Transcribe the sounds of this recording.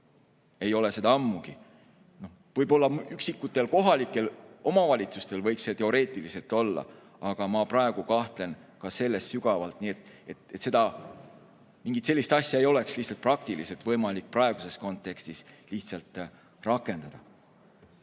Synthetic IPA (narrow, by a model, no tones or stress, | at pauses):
e̞jo̞le̞se̞d̪ɑɑmːuɡ̥i | no̞h | vɤjbo̞lːɑmyksikːˑut̪ːˑe̞lko̞ɦɑlikːˑe̞lo̞mɑvɑlʲit̪sust̪e̞lvɤjkset̪e̞o̞ɾe̞ːt̪ˑilise̞t̪ːˑo̞lːɑ̰ | ɑɡ̥ɑmɑprɑeɡ̥ukɑht̪le̞nkɑse̞lːe̞st̪syɡ̥ɑvɑlt̪ˑniet̪et̪et̪se̞d̪ɑ | miŋɡit̪se̞lʲːist̪ɑsʲjɑe̞jo̞le̞kslihtsɑlt̪̚prɑk̚t̪ilise̞lt̪vɤjmɑlik̚ːprɑe̞ɡ̥use̞sko̞nt̪ːˑe̞kst̪isliçt̪sɑlt̪ˑ | rɑkːˑe̞nd̪ɑd̪̥ɑ